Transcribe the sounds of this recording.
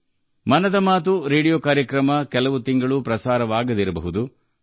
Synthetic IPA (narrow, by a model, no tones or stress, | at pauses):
mɐnɐd̪ɐmaːt̪uɾeːɽijoːkaːɾjɐkɾɐmɐkɛlɐʋut̪iŋɡɐɭupɾɐsaːɾɐʋaːɡɐd̪iɾɐbɐ̰ɦud̪u